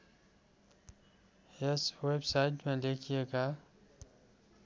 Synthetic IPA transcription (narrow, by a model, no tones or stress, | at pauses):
esweːbsaːɪʈmẽleːkʰijeːɡaː